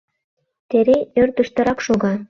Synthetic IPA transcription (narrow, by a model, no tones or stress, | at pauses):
t̪eɾeørd̪ə̆ʃt̪ɤ̆ɾɑkʃoɣɑ